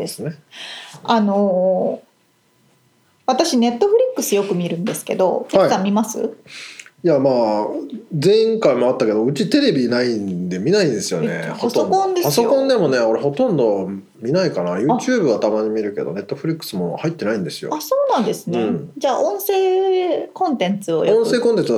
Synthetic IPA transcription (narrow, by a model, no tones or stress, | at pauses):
d̪esɨne̞ | ano̞ | βat̪aɕine̞t̪ːo̞ɸɯ̟ɾʲikːɯsɨjo̞kɯ̟mʲiɾɯ̟̃nd̪e̞sɨ̥ke̞̰d̪o̞̰k̪eaikːamʲimasɨ̰ | jamaː | zẽ̞ĩŋkaimoat̪ːake̞d̪o̞ɯ̟t͡ɕit̪e̞ɾe̞bʲinaind̪e̞mʲinaĩnd̪esɨjo̞ne̞̰hosokõnd̪epasokõ̞nd̪e̞mo̞neko̞ɾeɦo̞t̪õ̞nd̪o̞ | mʲinaikanajɯ̟ːt͡ɕɨːbɯ̟βat̪amaɲ̟imʲiɾɯ̟ke̞d̪o̞̰ne̞t̪ːo̞ɸɯ̟ɾʲikːɯ̥sɨmon̰hait̪ːenaĩnd̪e̞sɨjo̰asoːnãnd̪e̞sɨnẽd͡ʑaːʔõ̞ɰ̃se̞ːkõ̞nt̪ẽ̞nt͡sɨo̞̰jõse̞ːkont̪ẽt͡s